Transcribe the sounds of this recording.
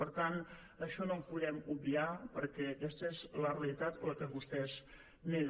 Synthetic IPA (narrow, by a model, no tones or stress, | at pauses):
pəɾt̪an | əʃɔnomzpuðɛmubbiapəɾkɛəkɛst̪əɛzlərelit̪at̪ləkəβust̪ɛz | ne